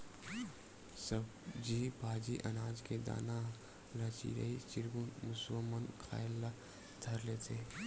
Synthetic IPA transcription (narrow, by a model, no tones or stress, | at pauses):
səbd͡ʒibʱaːd͡ʒiʔɐ̰naːd͡ʒked̪a̰ːna | lɐt͡ʃḭɾɐ̰it͡ʃɪɾɡunmʊswəmənkʰa̰ːɪlːa | d̪ʱɐɾlet̪ʰeː